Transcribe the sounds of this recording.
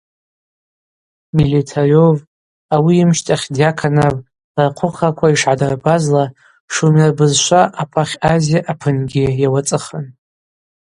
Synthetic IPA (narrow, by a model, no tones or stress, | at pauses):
militʰarov | awiːmʃtʼaχʲdjakʰanav | raqʷʰʊχakʷʰaiʂʕadarbazla | ʂumarbɨzʃʷaʔapʰaχʲazjaʔapʰɨnɡʲɪjawat͡sʼɨχən